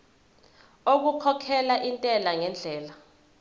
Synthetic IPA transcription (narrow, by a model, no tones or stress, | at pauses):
ok̬ukʰɔkʰɛlaʔintʼɛlaŋɛnd͡ɮʱɛːla